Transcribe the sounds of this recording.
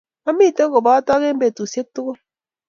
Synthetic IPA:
a˦mi˦˨to˦ko˨ba˨˦a˦tɔ˦ɣe˦m̩˦e˨tu˨sje˦k̚tu˦ɣo˦

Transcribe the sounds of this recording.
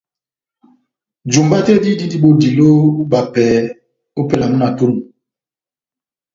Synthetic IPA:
d͡ʒu˨mba˦te˦di˦di˦di˦ɓo˦di˨lo˦ba˨pɛː˨ | o˦pe˦la˨mu˦na˨to˦nu˨

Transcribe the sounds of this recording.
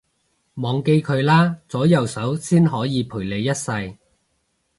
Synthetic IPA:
mɔː˨˧ŋke˧jkʰɵ˨˧ɥlaː˥t͡sɔː˨˥jɐ˨wsɐ˨˥wsiː˥nɦɔː˨˥jiː˨˧pʰuː˨˩jle˨˧jːɐ˥t̚sɐ˧j

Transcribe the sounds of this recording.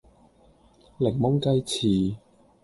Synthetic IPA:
lɪ˨˩ŋmʊ˥ŋkɐ˥jt͡sʰiː˨˩

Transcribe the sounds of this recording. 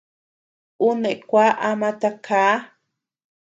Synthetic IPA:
u˦ne˨ʔkʷa˦ʔamat̪akʰaː˦

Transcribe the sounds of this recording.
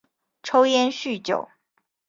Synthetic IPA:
ʈ͡ʂʰo˥ʊjɛ˥nɕy˥˩t͡ɕjo̰˨˩˦ʊ

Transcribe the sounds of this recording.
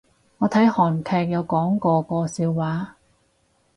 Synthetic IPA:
ŋɔː˨˧t̪ʰɐ˨˥jhɔː˨˩nkʰɛː˧k̚jɐ˨˧wkɔː˨˥ŋkɔː˧kɔː˧siː˧wːaː˨˥

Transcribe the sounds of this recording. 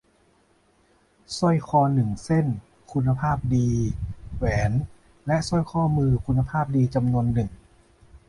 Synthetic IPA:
sɔ˥˩jkʰɔː˧nɯ˨˩ŋse˥˩n | kʰu˧nːa˧pʰaː˥˩p̚diː˧wɛː˩˦n | lɛ˦˥ʔsɔ˥˩jkʰɔː˥˩mɯː˧kʰu˧nːa˧pʰaː˥˩p̚diː˧t͡ɕa˧mnu˧ənːɯ˨˩ŋ

